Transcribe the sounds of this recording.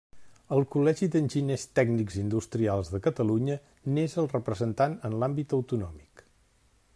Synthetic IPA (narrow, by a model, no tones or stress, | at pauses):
əlˠkulɛʒid̪ənʲʒinest̪ɛɡniɡzind̪ust̪ɾialˠzðəkət̪əluɲə | nezəlˠrəpɾəzənt̪anənlambit̪əwt̪unɔmik